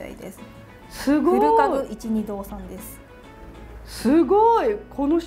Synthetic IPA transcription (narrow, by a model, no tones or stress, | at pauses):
a̰ḭd̪es | sɨɡoɯɾɯaɯit͡ɕiɲ̟id̪o̞ːsãnd̪e̞sɨ̥ | sɨɡoikʰo̞noç